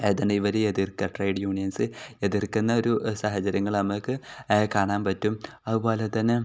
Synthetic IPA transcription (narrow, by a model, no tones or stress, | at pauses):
eðɐɳɖɨiʋɐɾeeðirkɐʈrɐjɖjuːɳijɐnsɨe̞ðirkunːɐo̞ɾusɐɦɐt͡ɕɐɾɐŋːɐɭnɐmɨkːɨkaːɳaːnpɐtːumɐðupo̞ːlet̪ːɐnːe